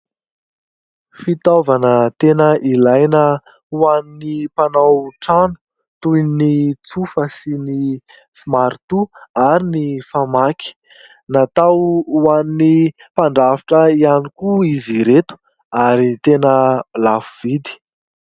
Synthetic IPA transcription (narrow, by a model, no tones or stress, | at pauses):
fit̪ovanət̪enəʔilajnə | uaninipanawʈ͡ʂanu̥ | t̪ujnit͡sufəsini | fimaɾt̪uaɾinifamaki̥ | nat̪awwanini | paɳɖ͡ʐaviʈ͡ʂəianikuiziɾet̪u̥ | aɾit̪enəlafuv̥id̪i̥